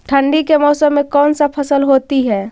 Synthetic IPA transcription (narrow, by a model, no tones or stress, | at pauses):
ʈʰə̃ɳɖikemɔːsəmːẽkɔːnsapʰɐsəlɦoːt̪iɦɛː